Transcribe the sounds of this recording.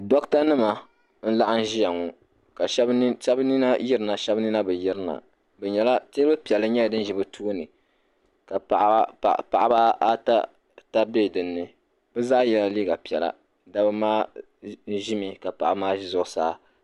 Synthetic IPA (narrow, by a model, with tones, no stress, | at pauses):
dɔ˦kta˦nɨ˦ma˨ | n̩˦la˦ʔa˦n̩˦ʒi˦ja˨ŋɔ˨ | ka˨ʃʃɛ˦bni˦na˦ji˦ɾɨ˨na˨ʃɛ˦bni˦na˦bɨ˨ji˦ɾɨ˦na̰˨ | bɛ˨ɲɛ˨la˦teː˦bɨ˦pi˨ɛ˨lɨ˦ɲɛ˦˨dɨ˦n˦ʒi˨bɨ˦tʰuː˦nɨ˨ | ka˨pa̰˨˦˨pa˨ʔa˨˦ba˦a˦ta̰˦ | ta˦be˦˨dɨ˨nːɨ˨ | bɛ˦zaː˦jɛ˨la˨liː˦ɡa˨pi˨ɛ˨la̰˨ | da˦bɨ˦maː˦ | n̩˦ʒi˦mi˨ka˨pa˨ʔa˨˦maː˦ʒi˦zʊ˦ʔʊ˨saː˦